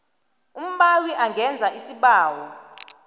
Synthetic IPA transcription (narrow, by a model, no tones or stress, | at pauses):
um̩ɓawiʔaŋʱɛnd͡zʱaʔisiɓaːwɔ